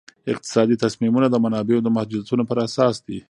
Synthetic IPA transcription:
ɪq̚t̪ɪ̥sɑd̪it̪asmimunad̪əmanɑbeod̪əmahd͡ʒud̪at̪unopəɾasɑsd̪i

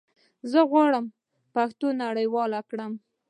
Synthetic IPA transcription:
zəɣwɑɽəm | paxt̪onaɽəjwɑlakɽəm

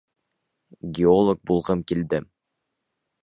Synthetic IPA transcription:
ɡʲeolˠok̚bulˠʁɤmkild̪ɘm

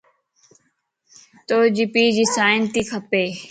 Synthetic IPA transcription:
t̪oːd͡ʑɪpiːd͡ʑiːsaːɪnt̪iːkʰəpeː

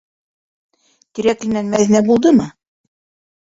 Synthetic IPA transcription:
t̪iɾæklɘ̆nænmæðinæbulˠd̪ɤmɤ

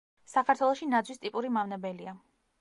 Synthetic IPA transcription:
sakʰaɾt̪ʰwɛlˠɔʃinad̪zwist̪ʼipʼuɾimavnabɛlia

